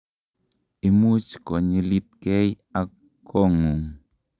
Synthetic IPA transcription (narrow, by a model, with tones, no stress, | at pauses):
i˨mu˦t͡ʃko˨ɲi˦li˦t̪̚ke˦j | a˦kʰː | o˦ŋu˨ŋ